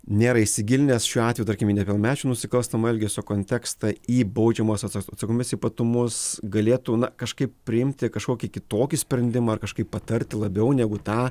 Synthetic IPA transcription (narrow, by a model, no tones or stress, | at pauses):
nʲeːɾɐɪʃʲsʲɪɡʲɪlʲnʲeːsʃʲuːɑːtʲʋʲejut̪ɐɾkʲɪmʲiːnʲɛpʲɛlˠmʲæːt͡ʃʲuːnʊsʲɪkɐlˠst̪ɐmɐɛlʲɡʲɛsʲoːkoːnʲt̪ʲɛkst̪ɐiːbɐʊd͡ʒʲɛmoːsʲɐtɐt̪sɐkoːmʲɪsipɐt̪ʊmʊsɡɐlʲeːt̪unɐkɐʃkɐɪppʲɾʲɪɪmʲt̪ʲɪkɐʃkoːkʲɪkʲɪt̪oːkʲisʲpʲɾʲɛnʲd̪ʲɪmɑːɐrkɐʃkɐɪppːɐt̪ɐɾʲt̪ʲɪlˠɐbʲɛʊnʲɛɡʊt̪ɑː